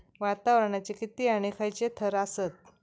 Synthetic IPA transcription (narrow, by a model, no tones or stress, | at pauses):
ʋat̪aʋɾəɳat͡ɕikit̪iːaɽ̃ikʰajt͡ɕet̪ʰəɾasət̪̚